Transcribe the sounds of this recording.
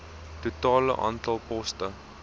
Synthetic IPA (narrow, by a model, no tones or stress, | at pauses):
tutɑːlə̰ʔɑ̰ːntɐlˠpɔstə